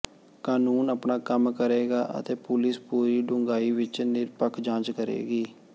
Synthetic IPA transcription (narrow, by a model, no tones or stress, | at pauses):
kaːnuːnəpɳaːkəmkəɾeːɡaːʔə̰t̪eːpʊlɪspuːɾiːɖʊŋɡaːiːʋɪt͡ʃnɪɾpəkʰd͡ʒãːt͡ʃkəɾḛːɡiː